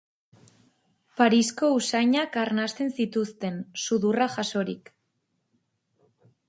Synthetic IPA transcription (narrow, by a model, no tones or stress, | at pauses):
paɾisko̞usajɲakaɾnast̪e̞nsit̪ust̪e̞nsuðuraʝaso̞ɾik